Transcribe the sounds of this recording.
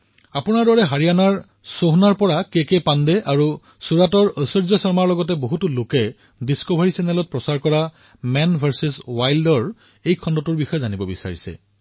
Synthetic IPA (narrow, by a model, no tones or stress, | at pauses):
apʊnaɹdɔɹɛɦaɹianaɹ | soɦnaɹpɔɹakekepandɛʔaɹu | suɹatɔɹəsɔɹzɔsɔɹmaɹlɔɡɔtɛboɦutulokɛ | diskobʱaɹisɛnɛlɔt̚pɹɔsaɹkɔɹa | mɛnbʱaɹsiswajldɔɹ | ejkʰɔndɔtʊɹbixɔjɛzanibɔbisa̰ɹisɛ̰